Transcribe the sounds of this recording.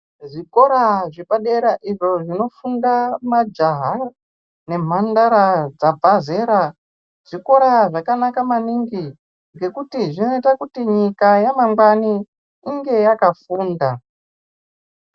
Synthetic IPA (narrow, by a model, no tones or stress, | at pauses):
ʐiko̞ɾaʐiɓaɗe̞ɾaʔiʐo̞ʐino̞fundamad͡ʒaɦa | ne̞m̤andaɾad͡zabʱaze̞ɾa | ʐ̥iko̞ɾaʐakanakamaniŋɡi | ŋɡe̞kutiʐino̞itakutiɲikajamaŋɡwaniː | ŋɡe̞jakafuːnda